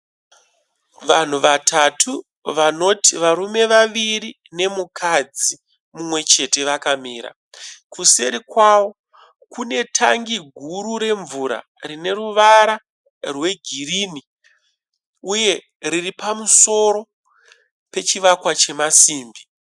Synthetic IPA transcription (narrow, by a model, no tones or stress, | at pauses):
ʋan̤uʋatʰatʰu | ʋano̞tiʋaɾume̞ʋaʋiɾi | ne̞mukʰad͡zi | mumwe̞t͡ʃe̞te̞ʋakamiːɾa̰ | kuseɾikwawo̞ | kune̞tʰa̰ŋɡiɡʱuɾuɾe̞ɱvuɾa̰ | rine̞ruʋaɾa | rwe̞ɡʱirini | uje̞ | ɾiripamuso̞ɾo̞ | pe̞t͡ʃiʋakwat͡ʃe̞masiːmbi